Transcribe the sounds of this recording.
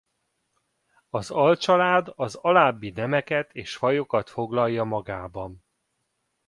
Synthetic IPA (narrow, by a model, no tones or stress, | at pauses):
ɒzɒlt͡ʃɒlaːd̪ɒzɒlaːbːinɛmɛkɛt̪eːʃfɒjokɒt̪fo̞ɡlɒjːɒmɒɡaːbɒn